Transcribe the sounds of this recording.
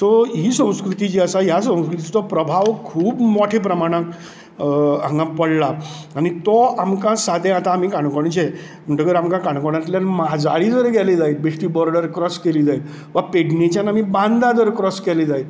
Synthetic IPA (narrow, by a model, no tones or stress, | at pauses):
t̪ɔɦiːsə̃w̃skɾut̪it͡ɕiəsaɦjasə̃w̃skɾut̪it͡ɕit̪ɔpɾəbʱaʋkʰuːbmoʈʰep̬ɾəmaɽ̃ãk | ãŋɡãpəɽla | añit̪ɔamkãsad̪ʱẽat̪ãːmikãɳkɔɽ̃it͡ɕe | m̤əɳʈəkəɾamkãkãɳkɔɽ̃ãt̪ljanmad͡zaɭid͡zəɾeɡɛled͡zailbeʂʈibɔɾɖəɾkɾɔskeliːd͡zail | ʋapeɽnet͡ɕjanamibãnd̪ad̪ɾekɾɔskɛled͡zail